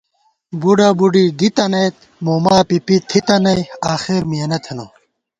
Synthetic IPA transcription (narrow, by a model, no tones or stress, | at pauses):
buɖɐbuɖiɡit̪ɐnɐjt̪̚ | moːmaːpipit̪ʰit̪ɐnɐjaːxeɾmijɐnɐt̪ʰeno